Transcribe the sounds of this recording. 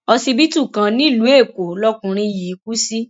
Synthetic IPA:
ɔ˧si˧bi˦tu˦˨kã˨˧nĩ˦˨lu˨˦e˦˨ko˨lɔ˦kũ˧ɾ̃ĩ˧ji˨˦ku˦si˦

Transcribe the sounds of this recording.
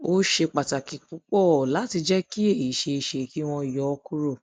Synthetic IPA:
o˦ʃe˧k͡pa˨ta˨ki˨k͡pu˨˦k͡pɔ˦˨la˨˦ti˧d͡ʒɛ˦ki˦e˦˨i˨ʃe˧i˨ʃe˨ki˦w̃ɔ̃˧˨jɔ˨˦˧ku˦ɾo˦˨

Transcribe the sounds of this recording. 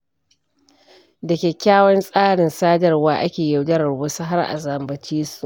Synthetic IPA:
dɐ˨kʲeː˨kʲaː˦wɐ˦nsʼaː˦ɽɪ˨nsaː˦dɐ˨rwaː˦ʔa˦kʲeː˨jɐ˨wd͡ʒɐ˦ɾɐ˨ɽwo˦sa˦ɦa˦rʔa̰˨zɐ˨mbɐ˨t͡ʃiː˦su˨ʔ

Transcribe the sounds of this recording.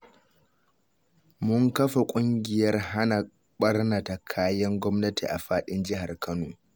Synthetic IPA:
mʊ˦ŋkɐ˦ɸa˨kʷʼʊ˦ŋɡʲɪ˨jɐ˦rɦa˦na˨ | ɓɐ˦rna˨ta˨kʰaː˦jɐ˦ŋɡʷɔ˦mnɐ˦tʰḭ˨ʔa̰˨ɸaː˦ɗɪ˦nd͡ʒɪ˦ɦa˨rkʰɐ˦noː˨

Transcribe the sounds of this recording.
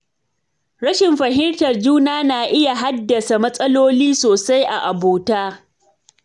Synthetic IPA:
ɾɐ˦ʃɪ˨mɸɐ˨ɦɪ˦ntɐ˨rd͡ʒuː˦naː˦naː˨ʔɪ˦ja˨ɦa˦dːɐ˨sa˨mɐ˦sʼɐ˦loː˦liː˦soː˨sa˦jʔa˨ʔa˨boː˨taː˦

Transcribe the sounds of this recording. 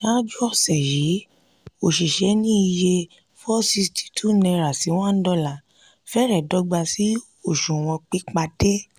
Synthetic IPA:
ã˦d͡ʒu˦ɔ˦˨sɛ˨ji˨˦ | o˨ʃi˨ʃɛ˨˦nĩ˦i˧je˧ | fɔ˦si˧sti̥˦tʰu˦nɛ̃˧ɾa˨si˨˦w̃ɔ̃˦n̩˦dɔ˦˨la˨ | fɛ˦ɾɛ˦˨dɔ˨˦ɡ͡ba˧si˨˦ | o˦˨ʃũ˨w̃ɔ̃˧k͡pi˦k͡pa˧de˦

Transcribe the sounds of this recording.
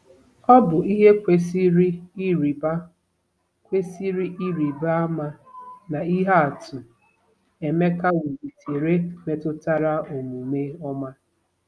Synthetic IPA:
ɔ˦bʊ˨i˦ɦe˦kʷe˦si˦ɾɾi˨ba˦ | kʷe˦si˦ɾi˦ʔi˦ɾi˨ba˦a˦ma˦na˨i˦ɦe˦a˨tʊ˨ | e˨me˦ka˦we˨bi˨tʰe˨ɾe˦me˨tʊ˦ta˦ɾa˦o˨mu˨me˦ɔ˦ma˦

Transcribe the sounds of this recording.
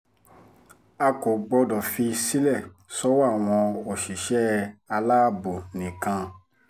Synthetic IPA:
a˧ko˨ɡ͡bɔ˧dɔ˨fi˧si˦lɛ˦˨ | sɔ˦wa˦˨w̃ɔ̃˧o˨ʃi˨ʃɛ˦a˧la˦bo˨nĩ˨kã˧

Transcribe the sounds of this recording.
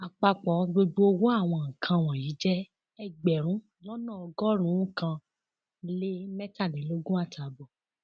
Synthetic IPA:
a˨k͡pa˧k͡pɔ˨ɡ͡bo˧ɡ͡bo˧o˧wo˦a˦˨w̃ɔ̃˧˨kʰã˧w̃ɔ̃˨ji˨˦d͡ʒɛ˦ | ɛ˧ɡ͡bɛ˨ɾ̃ũ˨˦ | lɔ˦nãː˦˨ɔ˧ɡɔ˦ɾ̃ũ˨˦˨kã˧ | le˦mɛ˦ta˦˨lĩ˨˦lo˦ɡũ˦a˦˨tʰa˨bɔ˨

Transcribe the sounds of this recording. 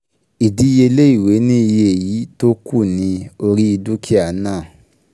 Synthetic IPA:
i˨di˨˦je˧le˦i˦˨we˨˦nĩ˦i˧je˧e˨ji˨˦to˦kʰu˦˨nĩ˨˧o˧ɾi˦i˧du˦kʰi˦a˨˦nãː˦˨

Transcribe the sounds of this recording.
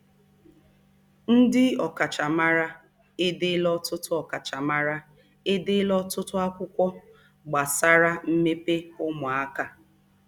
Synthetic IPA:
n̩˦dɪ˦ɔ˨ka˨t͡ʃa˨ma˦ɾa˦ | e˦de˦lɔ˦tʊ˦tʊ˦ɔ˨ka˨t͡ʃa˨ma˦ɾa˦ | e˦de˦lɔ˦tʊ˦tʊ˦a˦kʷʊ˦kʷɔ˦ | ɡ͡ba˨sa˦ɾa˦m̩˦me˦pe˦ʊ˦mʊ˨a˦ka˨

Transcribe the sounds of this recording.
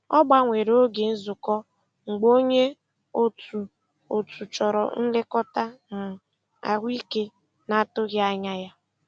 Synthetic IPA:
ɔ˦ɡ͡ba˦ŋʷe˨ɾo˦ɡe˨n̩˦zʊ˨kɔ˦ | ŋ͡m̩˨ɡ͡bo˦ɲe˦ | o˦tu˨ | o˨tʰu˨t͡ʃɔ˨ɾɔ̰˨n̩˦le˦kɔ˦ta˦n̩˨ | a̰˨ɦʷi˦ke˦ | na˨˦tʊ˦ɣja˦ɲa˦ja˦

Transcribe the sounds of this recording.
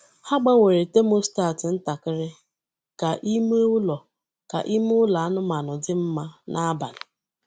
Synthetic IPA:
ha˦ɡ͡ba˦we˨ɾe˨te˦mo˦sta˦˨tɪ˨n̩˦ta˨kɪ˦ɾɪ˦ | ka˨ʔi˦me˦ʊ˦lɔ˨ | ka̰˨ʔi˦mʊ˦ʊ˦la˨a˦nʊ˦ma˨nʊ˨dɪ˦m̩˦ma˦nʔa˦a˦ba̰˨lʊ˨

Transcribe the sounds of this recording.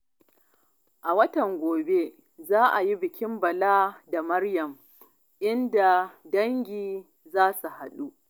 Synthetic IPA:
ʔa˨wɐ˦tɐ˨ŋɡʷoː˨be˦ | zaː˦ʔa˨ji˦bɪ˨kʲɪ˦mbɐ˨laː˦da˨mɐ˦rjɐ˨m | ʔɪ˦nda˨dɐ˦ŋɡʲiː˨ | zaː˦su˨ha˨ɗu˦ʔ

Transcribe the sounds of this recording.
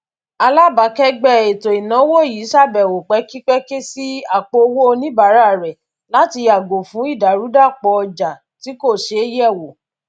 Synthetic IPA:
a˧la˦ba˨˦kɛ˦ɡ͡bɛ˦e˨to˨i˨nã˨˦wo˦˨ji˨˦ʃa˦˨bɛ˨wo˨k͡pɛ˨˦ki˦k͡pɛ˦ke˦si˦a˦˨k͡po˧wo˦o˧nĩ˦ba˨˦ɾa˦˨ɾɛ˨ | la˦ti˧a˨ɡo˨fũ˨˦i˦˨da˨ɾu˨˦da˦˨k͡pɔ˧ɔ˧d͡ʒa˨ | ti˨˦ko˦˨ʃe˨˦jɛ˦˨wo˨

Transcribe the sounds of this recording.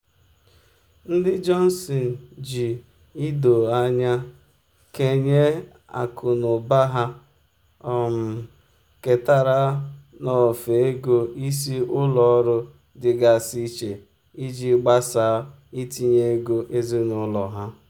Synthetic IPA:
n̩˦dɪ˦d͡ʒɔ˦n̩˦sɔ˨n̩˨d͡ʒi˨ | i˦do˨a˦ɲa˦ | ke˨ɲe˦ | a̰˨kʰʊ˨nʊ˨ba˦ɦa˦ | ɔ˨m̩˨ | ke˨ta˨ɾa˦nɔ˨fe˨e˦ɡo˦i˦s̬i˦ʊ˦lɔ˨˦ɾʊ˦ | dɪ˨ɡa˨si˦t͡ʃe˨ | i˦d͡ʒi˦ɡ͡ba˦sa˨˦ | i˦ti˦ɲe˦ɡo˦ʔe˦zi˦nʊ˨˦lɔ˨ɦa˦

